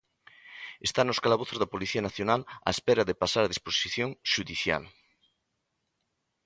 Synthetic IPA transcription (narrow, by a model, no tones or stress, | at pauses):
est̪anoskalaβ̞oθozðapoliθianaθjonala̰espeɾaðepasaɾaðisposiθjõŋʃuðiθja̰l